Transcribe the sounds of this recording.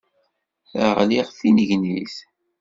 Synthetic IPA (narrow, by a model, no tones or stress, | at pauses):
ə̰ʁliʁfinəʝniθ